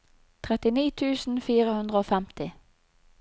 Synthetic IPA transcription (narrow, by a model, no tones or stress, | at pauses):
t̪ʰʁɛt̪ɪniːt̪ʰʉːsn̩fiːʁəhʉnd̪ʁəoːfɛmt̪ɪ